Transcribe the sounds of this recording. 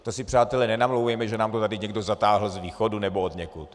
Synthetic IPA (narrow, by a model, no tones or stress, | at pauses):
t̪osɪpr̝̥aːt̪ɛlɛnɛnamlowvjɛmɛʒɛnaːmt̪ot̪adɪɲɛɡdozat̪aːɦl̩zviːxodunɛbood̪ɲɛkṵt̪